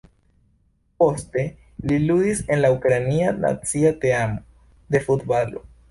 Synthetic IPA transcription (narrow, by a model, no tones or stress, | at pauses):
po̞ste̞ | liludise̞nlaukɾaniana̰t͡siat̪eamo | d̪e̞fut̪balo̰